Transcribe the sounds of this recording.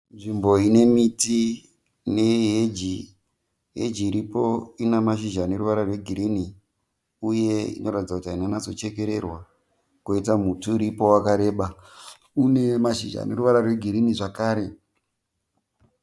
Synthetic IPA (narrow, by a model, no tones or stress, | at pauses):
nʐimbo̞ine̞miti | ne̞ɦed͡ʒi | ɦḛd͡ʒiːɾipoinamaʃ̬iʒane̞ruʋaɾarwe̞ɡʱiɾiːni | uje̞ḭnʔo̞ɾatid͡zakutiainanazo̞t͡ʃe̞ke̞ɾerwa | kuitamutuːɾipo̞wakaɾe̞ːɓa | une̞maʃḭʒa̰neɾuʋaɾarweɡʱiɾiniʐakaːɾe̞